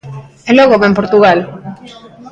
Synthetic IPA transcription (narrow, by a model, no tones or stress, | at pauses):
eloɣoβempoɾt̪uɣ̞al